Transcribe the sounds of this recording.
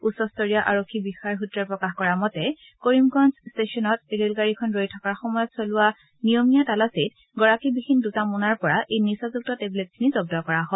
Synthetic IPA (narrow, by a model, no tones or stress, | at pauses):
usɔstɔɹijaʔaɹokʰːibixaɹɦutɹɔɹpɹɔkaxkɔɹamɔtɛ | koɹimɡɔnsstesiɔnɔt̚eɹelɡaɹikʰɔnɹojtʰɔkaɹxɔmɔjɔtsolʊwa | nijɔmijatalasit | ɡɔɹakibihindutamunaɹpɔɹaʔejniɹsazuk̚tɔteblet̚kʰinizɔb̚dɔkɔɹaɦɔ